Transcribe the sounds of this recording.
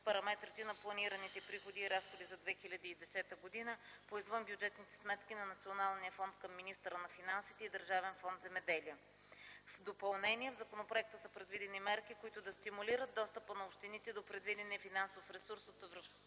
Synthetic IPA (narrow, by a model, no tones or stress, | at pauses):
pɐɾɐmɛt̪ɾit̪inɐplˠɐniɾənit̪ɛpɾixod̪iːɾasxod̪izɐd̪vɛxilʲɐd̪iid̪ɛsɛt̪əɡod̪inəpoizvənbjud͡ʒɛt̪nit̪ɛ̥smɛt̪kinɐnɐt̪sionalˠnijəfɔnt̪̚kəmːinist̪əɾənɐfinansit̪ɛid̪əɾʒavɛnfɔnd̪zɛmɛd̪ɛliə | vd̪opɐlˠnɛniɛvzɐkonopɾoɛk̚t̪əsəpɾɛd̪vid̪ɛnimɛɾk̟ikʊit̪ʊd̪ɐst̪imuliɾət̪̚d̪ɔst̪əpənɐopʃt̪init̪ɛd̪opɾɛd̪vid̪ɛnɛfinansofɾɛsuɾsot̪ovɾəf